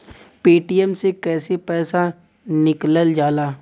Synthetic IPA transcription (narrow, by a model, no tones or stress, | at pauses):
peːʈijɛmsekɛːsepɛːsa | nɪkləld͡ʒaːlaː